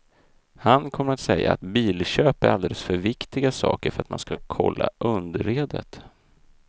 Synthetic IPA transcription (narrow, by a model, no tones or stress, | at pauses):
hankʰɔmːəɾat̪sɛjːaat̪biːlɕøːpæɾʔald̪eːləsfœɾvɪkt̪ɪɡasɑ̰ːkəɾfœɾat̪ma̰nskakʰɔ̰lːaʔɵnd̪ɾeːd̪ə̰t̪